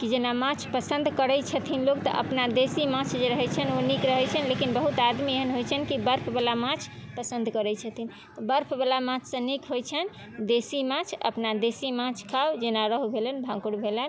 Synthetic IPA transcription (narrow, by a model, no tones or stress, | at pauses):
kid͡ʒenamãt͡ʃʰpəsənd̪ʱkəɾɛt͡ʃʰət̪ʰinlokt̪ə̰ʔə̰pnad̪esimãt͡ʃʰd͡ʒeɾəɦɛjt͡ʃʰənonikɾəɦɛt͡ʃʰənlekinbəɦut̪ad̪mieɦənɦojt͡ʃʰənkibəɾpʰbalamãt͡ʃʰpəsənd̪ʱkəɾɛt͡ʃʰət̪ʰin | t̪ɔbəɾpʰbalamãt͡ʃʰsə̃nikɦojt͡ʃʰən | d̪esimãt͡ʃʰə̰pnad̪esimãt͡ʃʰkʰawd͡ʒenaɾəɦbʱelənbʱãŋkuɽbʱelən